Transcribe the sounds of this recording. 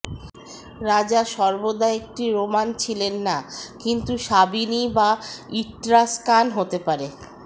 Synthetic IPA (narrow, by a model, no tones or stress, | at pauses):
ɾad͡ʑaʃɔɾbod̪aeek̚ʈiɾomant͡ɕʰilenːakint̪uʃabinibaiʈɾaskanɦot̪epaɾe